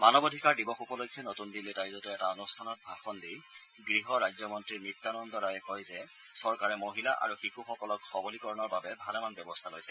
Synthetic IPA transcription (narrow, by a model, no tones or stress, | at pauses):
manɔbodʱikaɹdibɔxupɔlojkʰjɔnotundiletajzɔtʊɛtaonustʰanɔt̚bʱaxɔndij | ɡɹiɦɔɹajzɔmɔntɹimitːanɔndɔɹajɛkɔjzɛ | sɔɹkaɹɛmoɦila̰ʔa̰ɹuxikuxɔkɔlɔkxɔbolikɔɹɔnɔɹbabɛbʱalɛmanbjɔbɔstʰalojsɛ